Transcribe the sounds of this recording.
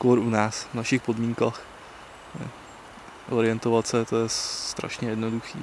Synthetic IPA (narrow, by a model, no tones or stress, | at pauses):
koɾʔunaːsvnaʃɪxpo̞dmiːŋkaːx | ɛ̰ | ʔo̞ɾɪjɛnt̪o̞vat̪sɛt̪ojɛst̪ɾa̰ʃɲɛjɛdno̞duxḭː